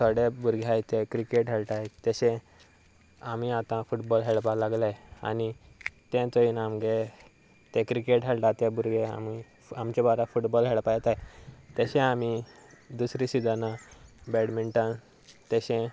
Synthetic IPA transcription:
sʰəɽebuɾɡʱajt̪ẽkɾikeʈɦɛɭʈajt̪əɕɛ̃ | amiat̪ãfuʈbɔlɦeɭpalaɡlaja̰ni | t̪ɛ̃t͡səinamɡe | t̪ẽkɾikeʈɦeɭʈãt̪ebuɾɡʱea̰mi | amt͡ɕɛbaɾafuʈbɔlɦeɭpajɛt̪ajt̪əɕɛ̃amid̪usɾisid̪anabɛɽmiɳʈən | t̪əɕɛ̃

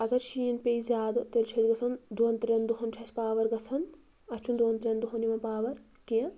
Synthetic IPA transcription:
ɐɡɐɾʃiːnpʲejzʲaːd̪ɨt̪elt͡ʃʰɐd͡ʒɡɐsʰɐnd̪oːnt̪ɾʲɐnd̪uɦɐnt͡ʃʰɐt͡ʃpaːʋɐɾɡɐt͡sʰɐn | ɐt͡ʃʰund̪oːnt̪ɾʲɐnd̪uɦɐnimɐnpaːʋɐɾ | kiɐ

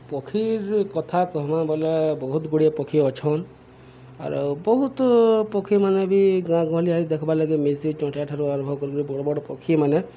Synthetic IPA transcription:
pɔkʰiɾkɔt̪ʰakɔɦmãbɔlebɔɦut̪ɡuɽijapɔkʰiɔt͡ʃʰɔn | a̰ɾubɔɦut̪pɔkʰimanɛbiɡãɡɔ̃ɦliaid̪ekʰɔbalaɡimezit͡ʃɔ̃ʈʰiaʈʰaɾuanubʱɔbkɔɾiɡɔɾibɔɽɔbɔɽɔpɔkʰimane

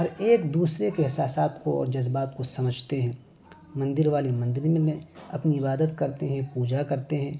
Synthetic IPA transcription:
ɔːɾeːkd̪uːsɾekeɦɪsaːsaːt̪koɔ̰ːɾd͡ʒɐzbaːt̪̚kosɐməd͡ʒʱt̪eɦɛ̃ː | mɐ̃nd̪ɪɾʋaːlimɐ̃nd̪ɪɾmẽlẽɐpniɪbaːd̪ət̪kɐɾt̪eɦɛ̃puːd͡ʒakɐɾt̪eɦɛ̃ː

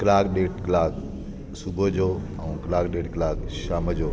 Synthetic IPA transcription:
kɪlaːkɗeːʈklaːk | subʱəd͡ʑoː | ɛ̃ũklaːkɗeːʈklaːkʃaːməd͡ʑoː

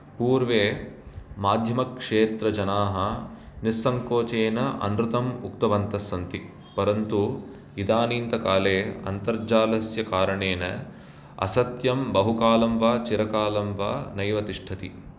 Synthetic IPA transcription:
puːɾʋeː | maːd̪ʱjɐmɐkʂeːt̪ɾɐd͡ʒɐnaːɦɐnisːɐŋkoːt͡ʃeːnɐʔɐ̰nɾut̪ɐmukt̪ɐʋɐnt̪ɐsːɐnt̪i | pɐɾɐnt̪u | id̪aːniːnt̪ɐkaːleːɐ̰nt̪ɐɾd͡ʒaːlɐsjɐkaːɾɐɳeːnɐ̰ | ɐ̰sɐt̪jɐmbɐɦukaːlɐmʋaːt͡ʃiɾɐkaːlɐmʋaːnɐjʋɐt̪iʂʈʰɐt̪i

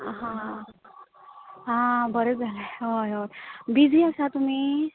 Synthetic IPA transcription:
ɦã | ɦãbəɾət̪̚d͡zʱaleojoɾbid͡zʱĩəsat̪um̤iː

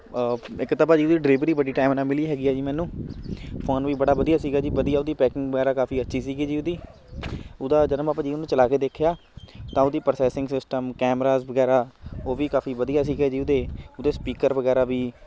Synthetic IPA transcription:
ɪkːt̪ːaːbaːd͡ʒiːʊd̪iːɖɾeːbəɾiːbəɖiːʈaːmɾaːmɪliːɦɛːɡiːaːd͡ʒiːmɛːnũː | pʰoːnʋiːbəɽaːbəd̪ijaːsiːɡaːd͡ʒiːbəd̪ijaːʊd̪iːpɛːkɪ̃ŋɡbəɡɛːɾaːkaːfiːətːʃʰiːsiːɡiːd͡ʒiːʊd̪iː | ʊd̪aːd͡ʒənəmaːpãːd͡ʒiːʊnũːt͡ʃəlaːkeːd̪eːkʰejaː | t̪ãːʊd̪iːpəɾsɛːsɪ̃ŋɡsɪsʈəmkɛːmɾaːzbəɡɛːɾaːoːʋiːkaːfʰiːʋəd̪ijaːs̬iːɡɛːd͡ʒiːʊd̪eːʊd̪eːspiːkəɾʋəɡɛːɾaːʋiː

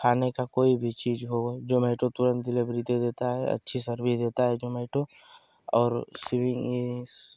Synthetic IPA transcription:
kʰaːnekakoːibʱit͡ʃiːzɦod͡ʒoːmɛːʈot̪ʊɾə̃nt̪̚d̪ɪlebɾiːd̪ed̪eːt̪aɦɛɐ̰tːʃʰisɐɾbid̪eːt̪aɦɛd͡ʒoːmɛːʈɾo | ɔːɾsɪʋɪ̃ŋis

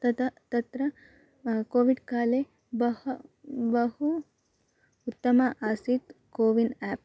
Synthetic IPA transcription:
t̪ɐt̪ɐt̪ɐt̪ɾɐ | koːʋiɖkaːle | bɐhbɐɦu | ut̪ːɐmɐʔaːsit̪koːʋinɛːp̚

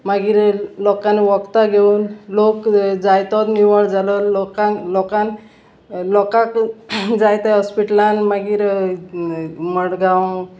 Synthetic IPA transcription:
maɡiːɾlɔkanːeʋɔkt̪aɡʱeuːnlokd͡zajt̪ɔt̪niʋəɭd͡zalɔlɔkalɔkan | lɔkakd͡zajt̪aɦɔspiʈlanmaɡiːɾ | məɽɡãw

